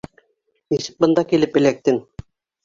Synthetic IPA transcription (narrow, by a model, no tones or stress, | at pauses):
nisɘ̥k̚bɤ̆nd̪ɑkilɘpɘ̆læk̚t̪ɘŋ